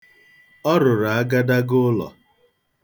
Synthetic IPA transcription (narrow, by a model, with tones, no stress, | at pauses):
ɔ˦ɾʊ˨ɾa˨a˦ɡa˦da˦ɡʊ˦lɔ̰˨